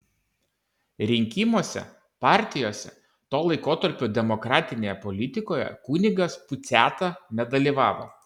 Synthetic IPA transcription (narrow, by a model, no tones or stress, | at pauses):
ɾʲɪŋʲkʲimoːsʲɛ̰ | pɑːˑɾʲt̪ʲɪjoːsʲɛ̰ | t̪oːlˠɐɪkoːt̪ɐɾʲpʲoːd̪ʲɛmɔkɾɑːt̪ʲɪnʲeːjɛpɔlʲɪt̪ʲɪkoːjɛ̰kuːnʲɪɡɐspʊt̪sʲæːt̪ɑnʲɛd̪ɐlʲiːˑʋɑːʋo̰ː